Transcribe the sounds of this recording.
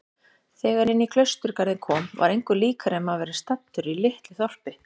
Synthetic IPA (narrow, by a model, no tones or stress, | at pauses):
θɛːɣaɾɪnːikʰlœɥst̪ʏɾ̥kaɾðɪkʰɔːmva̰ɾejŋkʏliːkʰaɾɛmaðvɛːɾɪ̥st̪at̪ːʏɾilɪht̪lɪθɔr̥pɪ